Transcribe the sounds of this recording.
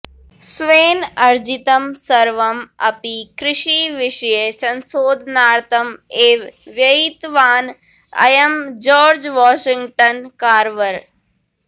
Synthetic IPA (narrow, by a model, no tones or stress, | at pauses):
sʋeːnɐɾd͡ʒit̪ɐmsɐɾʋɐmɐpikɾɪʃiʋɪʃjesɐnsoːd̪ʱnaːɾt̪ɐmeːʋʋjɐit̪ʋaːn | ɐ̰jɐmd͡ʒɔːɾd͡ʒʋaːʃɪ̃ŋɡʈɐnkaːɾʋɐɾ